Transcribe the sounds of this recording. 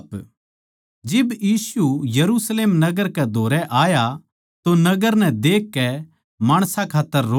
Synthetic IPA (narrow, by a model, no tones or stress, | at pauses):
p | d͡ʒɪbjiːsujɐɾusleːmnɐɡəɾkɛd̪ʱoːɾɛʔaːja | t̪onɐɡəɾnɛ̃d̪eːkːɛ | maːɽ̃sãkʰaːt̪ːəɾːoː